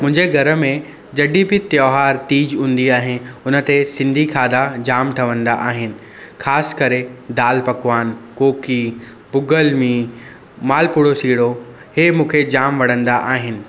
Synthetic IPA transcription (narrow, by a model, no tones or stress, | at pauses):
mʊ̃ɦɪ̃ɲd͡ʑeɡʱɐɾəmẽ | d͡ʑɐɖipit̪joːɦaːɾt̪iːd͡ʑũːnd̪iaːɦɪnɪ̆ʊnə̆t̪esɪ̃nd̪ʱikʰaːd̪ad͡ʑaːmʈʰɐʋə̃nd̪aʔaːɦɪnɪ̆ | xʰaːsɪ̥kɐɾed̪aːlpɐkʋaːnkoːki | bʊɡəlmĩː | maːlpʊɽosiːɽo | hemũːkʰed͡ʑaːmʋɐɽ̤ə̃nd̪aʔaːɦɪnɪ̆